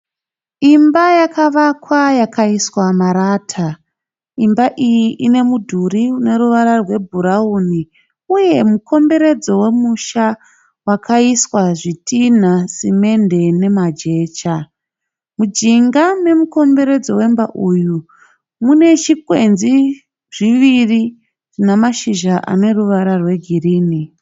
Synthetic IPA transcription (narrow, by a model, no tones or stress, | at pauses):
imbajakʰaʋakwajakʰaiswamaɾaːtʰa | imbaʔijiʔine̞mudʱuɾiune̞ɾuʋaɾarwe̞bʱuɾauni | uje̞mukʰo̞mbe̞ɾe̞d͡zo̞we̞muʃa | wakʰaiswaʐitʰin̤asime̞nde̞ne̞mad͡ʒe̞ːt͡ʃa | mud͡ʒiŋɡane̞muko̞mbe̞ɾe̞d͡zo̞we̞mbaʔuju | mune̞t͡ʃikwenzi | ʐ̥iʋiri | ʐ̥inamaʃiʒaʔa̰ne̞ruʋaɾarwe̞ɡʱiriːni